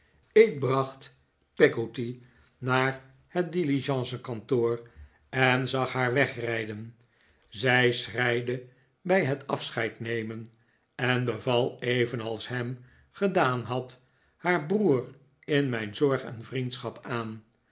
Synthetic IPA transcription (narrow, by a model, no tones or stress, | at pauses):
ɪk̚brɑχt | pɛɡoti | naːɹ | hət̚diliʒɑ̃nsəkɑntoːr | ɛnzɑχɦaːɹʋɛχrɛjdən | zɛjsrɛjdə | bɛjɦətʰɑfsχɛjtnejmən | ɛnbəvɑlˠejvənɑlˠsɦɛm | χədaːnɦɑt | haːɹbruːr | ɪnmɛjnzɔɹχɛ̰nvrintsχɑpaːn